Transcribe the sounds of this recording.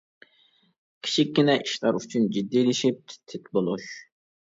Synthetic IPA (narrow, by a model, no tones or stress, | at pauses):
kʲʰi̥t͡ʃʰikʲːinɛʔiʃlɑɾyt͡ʃʰynd͡ʒid̪ːilɪʃip̚t̪ʰt̪ʰɪt̪bolˠuʃ